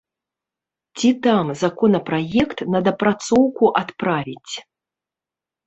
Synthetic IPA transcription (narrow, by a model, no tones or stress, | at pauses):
t͡sʲit̪amzakɔnɐpɾajɛkt̪nɐd̪ɐpɾat̪sɔwkuʔat̪pɾavʲit͡sʲ